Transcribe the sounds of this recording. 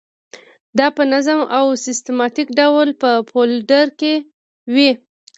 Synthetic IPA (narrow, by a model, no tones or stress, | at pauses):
d̪ɑpənazəmawsɪst̪emɑt̪ikɖawlpəpʰolɖaɾke | wi